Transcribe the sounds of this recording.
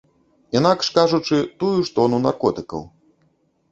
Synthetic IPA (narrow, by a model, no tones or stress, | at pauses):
inakʂkaʐut͡ʂɨt̪ujuʂt̪ɔnunarkɔt̪ɨkɐ̰w